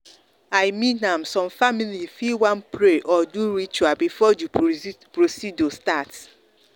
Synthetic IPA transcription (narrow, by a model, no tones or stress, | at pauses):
ajmĩnãmsɔ̃mfamilifiwãnpʰɾeʔɔduɾit͡ʃuabifɔdupɾosidostat